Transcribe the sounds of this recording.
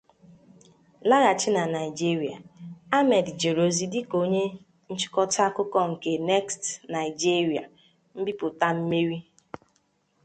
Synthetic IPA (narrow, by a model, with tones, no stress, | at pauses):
la˦ɣa˨t͡ʃɪ˦na˨na˨i˨d͡ʒi˦ɾi˨a˨a˦mɛ˨dd͡ʒe˨ɾo˨zi˨dɪ˦ko˦ɲe˦ | n̩˦t͡ʃɪ̥˦kɔ˦ta˦kʊ˦kɔ˦ŋ̩˨ke˨nɛ˦kstna˨i˨d͡ʒi˦ɾi˨a˨ | m̩˦bi˦pʊ˨ta˦m̩˦me˦ɾi˦